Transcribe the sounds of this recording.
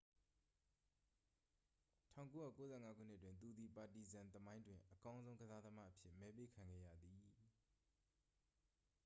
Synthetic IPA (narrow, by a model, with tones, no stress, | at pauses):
tʰã˦˨ko˦jä̰˦˨ko˦zɛ̰˦˨ŋa˦ɡṵ˦˨n̥ɪ˦ʔətːwɪ̃˨nt̪̬u˨d̪i˨pa˨ti˨zã˨nt̪əmã˦ɪ̃ndwɪ̃˨ʔəkã˦ʊ̃nzõ˦ʊ̃ŋɡəza˦d̪əma̰˦˨ʔəpʰjɪ˦ʔmɛ˦pe˦kʰã˨ŋɡɛ̰˦˨jä̰˦˨d̪i˨